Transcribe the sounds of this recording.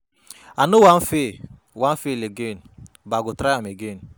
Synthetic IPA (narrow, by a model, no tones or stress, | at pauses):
anʊwam̩fe | wam̩feleɡen | baɡʊtɾaameɡen̩